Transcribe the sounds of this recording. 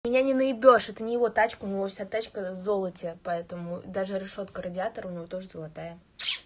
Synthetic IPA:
mʲɪnʲanʲɪnəɪbʲo̞ʂɛt̪ənʲɪjɪvo̞t̪at͡ɕkəʊnʲɪvofsʲat̪at͡ɕkəzo̞lˠətʲɪpɐɛt̪əmʊd̪aʐɨɾʲɪʂo̞t̪kəɾədʲɪat̪əɾəʊnʲɪvo̞t̪o̞ʐɨzəlˠat̪ajə

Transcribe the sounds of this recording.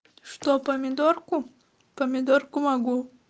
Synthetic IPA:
ʃt̪opɐmʲɪd̪oɾku | pɐmʲɪd̪oɾkʊmɐɡu

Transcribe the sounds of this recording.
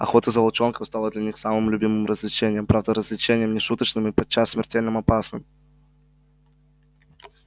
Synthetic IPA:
ɐ̰xo̞t̪əzəbɐlˠt͡ɕo̞nkəfst̪alˠəd̪lʲɐnʲixsamɨmlʲʊbʲimɨmrəzlʲɪt͡ɕenʲɪjəmpɾavd̪əɾəzlʲɪt͡ɕenʲɪjəmnʲɪʂut̪ət͡ɕnɨmɨpɐt͡ɕːasːmʲɪrtʲelʲnɨmɐpasnɨm

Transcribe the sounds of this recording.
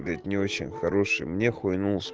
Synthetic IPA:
ɾʲɪt̪ʲnʲɪot͡ɕɪ̰nʲxɐɾoʂɨ̰jmnʲexʊjnulˠsʲ

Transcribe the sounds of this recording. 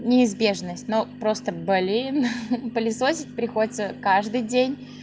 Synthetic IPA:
nʲɪːzbʲe̞ʐnəsʲtʲnopɾo̞st̪əbɐlʲinpəlʲɪsosʲɪtʲpɾʲɪxodʲɪt̪səkaʐd̪ɨjdʲenʲ

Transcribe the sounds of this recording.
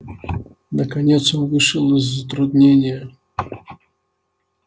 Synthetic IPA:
nəkɐnʲet̪sɔnvɨʂɨlˠəzʲzət̪ɾʊd̪nʲenʲɪjə

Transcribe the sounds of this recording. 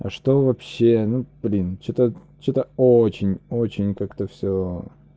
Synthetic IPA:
ɐ̰ʂt̪ovɐpɕːenub̥lʲint͡ɕot̪ə | t͡ɕot̪əot͡ɕɪnʲot͡ɕɪnʲkakt̪əfsʲo

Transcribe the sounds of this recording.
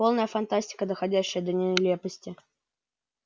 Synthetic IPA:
o̞lˠnəjəfɐnt̪asʲtʲɪ̥kəd̪əxɐdʲæɕːəjəd̪ənʲɪlʲepəsʲtʲɪ

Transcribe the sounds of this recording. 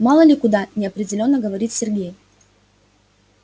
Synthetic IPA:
mɑlˠəlʲɪkʊd̪anʲɪɐpɾʲɪdʲɪlʲo̞nːəɡəvɐɾʲit̪sʲɪrɡʲej

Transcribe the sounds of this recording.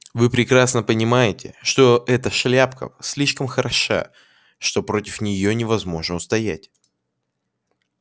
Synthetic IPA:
vɨpɾʲɪkɾasnəpənʲɪmajɪtʲɪ̰ʂt̪o̞ʔɛt̪əʂlʲapkə̰sʲlʲiʂkəmxəɾɐʂa̰ | ʂt̪o̞pɾo̞tʲɪfnʲɪjonʲɪvɐzmo̞ʐnəʊst̪ɐjætʲ

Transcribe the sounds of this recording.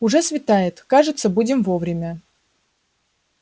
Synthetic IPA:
ʊʐɛsvʲɪt̪ajɪt̪kaʐɨt̪səbudʲɪmvovɾʲɪmʲə

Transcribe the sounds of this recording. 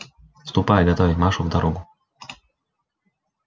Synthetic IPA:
fst̪ʊpajɡɐt̪ɔvʲɪtʲmaʂʊvd̪ɐɾɔɡʊ

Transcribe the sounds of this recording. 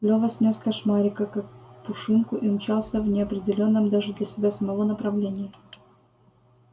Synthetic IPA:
lʲovəsʲnʲosʲkɐʂmaɾʲɪkəkak̚pʊʂɨnkʊʔinʊt͡ɕalˠsʲəvnʲɪɐpɾʲɪdʲɪlʲo̞nːəmd̪aʐɨd̪lʲəsʲɪbʲasəmɐvonəpɾɐvlʲenʲɪjə

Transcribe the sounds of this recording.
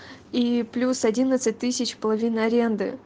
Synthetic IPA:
iplʲusɐdʲinət̪sɨt̚ʲt̪ɨsʲɪt͡ɕpəlˠɐvʲinəɐɾʲe̞nd̪ɨ̰

